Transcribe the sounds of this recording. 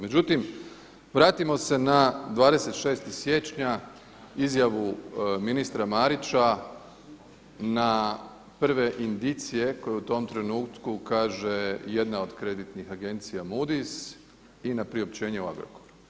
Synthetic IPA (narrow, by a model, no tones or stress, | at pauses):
med͡ʑut̪im | ʋɾaːt̪imo̞se̞nad̪ʋaːd̪e̞se̞t̪ʃe̞ːst̪isje̞ːt͡ʃɲa | izjaʋuminist̪ɾamaɾit͡ɕa | na | pr̩ʋe̞ʔind̪it̪sije̞ko̞jeut̪o̞mt̪ɾe̞nuːt̪kukaːʒe̞je̞d̪nao̞d̪kɾe̞d̪it̪nixaɡe̞nt̪sijamud̪is | inapɾio̞p̚t͡ɕe̞ːɲe̞ua̰ɡɾo̰koɾu̥